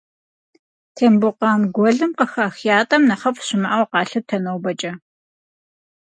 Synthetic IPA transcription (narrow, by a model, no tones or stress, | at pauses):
tʰeːmbʊqɑːmɡʷɔɮɨmqəxaxjaːtʼɐmnɐχɐpʰʼɕɪmɐʔɐwqɑːɬɨtʰɐnowbɐt͡ʃʼɐ